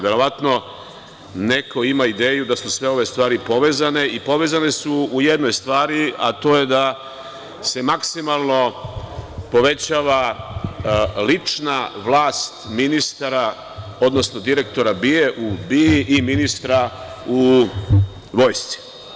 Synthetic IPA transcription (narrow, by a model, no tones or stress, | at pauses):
ʋe̞ɾo̞ʋat̪no̞ | ne̞kʰo̞imaid̪e̞ːjud̪asusʋe̞o̞ʋe̞st̪ʋaːɾipo̞ʋe̞ːzane̞ipo̞ʋe̞ːzane̞suuje̞d̪no̞jst̪ʋaːɾiat̪o̞ːje̞d̪a | se̞maksimalˠno̞ | po̞ʋe̞t͡ɕaːʋa | lit͡ʂnaʋlˠaːst̪minist̪aɾa | o̞d̪no̞sno̞d̪iɾe̞kt̪o̞ɾabieʔubiiʔiminist̪ɾau | ʋo̞ːjst̪si̥